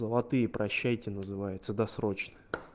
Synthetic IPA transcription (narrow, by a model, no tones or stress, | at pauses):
zəlˠɐt̪ɨjəpɾɐɕːæjtʲɪnəzɨvajʊt̪səd̪ɐsɾo̞t͡ɕnɨ